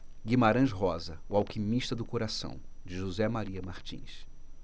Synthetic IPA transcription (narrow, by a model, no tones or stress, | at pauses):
ɡimaɾɐ̃ʃɦɔzɐʊawkimiʃt̪ɐd̪ʊkoɾasɐ̰̃w̃ | d͡ʒɪʒuzɛmaɾiɐmaɾt͡ʃḭ̃s